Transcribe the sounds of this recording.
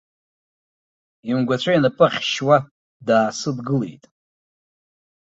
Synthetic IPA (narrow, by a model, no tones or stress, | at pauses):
imɡʷat͡ɕʷʰajanapʼɨχʲʃwa | daːsɨdɡɨlḛjtʼ